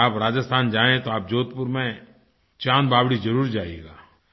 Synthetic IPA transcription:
aːpɾaːd͡ʒəst̪ʰaːnd͡ʒaːẽt̪oaːp̚d͡ʒoːt̪̚pʊɾmẽ | t͡ʃaːnbaːbɽid͡ʒɐɾuːɾd͡ʒaːieːɡaː

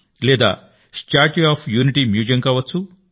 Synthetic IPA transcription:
lɛːd̪a̰ː | sʈaːɾʈiaːpʰjuːniʈimjuːd͡ʒɐŋkaːʋɐt͡sːt͡sːu

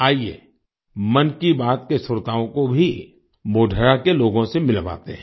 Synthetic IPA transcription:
aːiḛː | mɐnkibaːt̪̚kesʊɾt̪aːõkobʱi | moːɖʱəɾakeloːɡõsemɪlʋa̰ːt̪eɦɛ̃

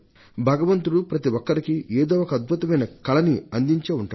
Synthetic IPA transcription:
bʱɐɡɐʋɐnt̪uɽupɾɐt̪iʋɔkːɐɾikiʔeːd̪oːwɔkɐɐd̪̚bʱut̪ɐmɐjnɐkɐlɐniɐnd̪iɲt͡ʃeːuɳʈu

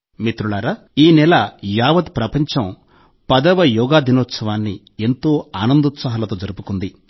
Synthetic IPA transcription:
mit̪ɾuɭaːɾa | iːnɛlɐjaːʋɐd̪pɾɐpɐɲt͡ʃɐm | pɐd̪ɐʋɐjɔːɡaːd̪inɔːt̪sɐʋaːnːi | e̞nt̪o̞ːaːnɐnd̪ut̪sɐɦɐlɐt̪oːd͡ʒɐɾupukund̪i

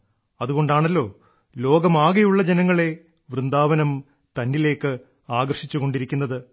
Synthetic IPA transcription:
ɐðuɣo̞ɳɖaːɳɐlːo̞ː | lo̞ːɡɐmaːɣɐjuɭːɐd͡ʑenɐŋːɐɭe̞ | ʋrɨnd̪aːʋɐnɐm | t̪ɐnːile̞ːkːɨ | aːɡɐrʂit͡ɕːuɣo̞ɳɖiɾikʲːunːɐðɨ

